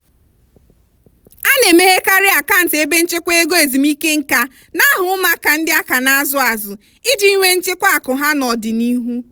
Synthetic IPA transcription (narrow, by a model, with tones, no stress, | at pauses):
a˦ne˨me˦ɦe˦ka˦ɾɪ˦a˨ka˦n̩˨te˦be˦n̩˦t͡ʃe˦kʷe˦e˦ɡo˦e˨zi˨mi˦ke˦ŋ̩˦ka˦ | na˦ɦʊ˨˦ʊ˦ma˦ka˨n̩˦dɪ˦a˦ka˨na˦zʊ˨a˨zʊ˨ | ɪ˦di˦i˦ŋʷe˦n̩˦t͡ʃɪ˦kʷa˦a˨kʊ˨ɦa˦nɔ˨dɪ˨ni˦ɦu˦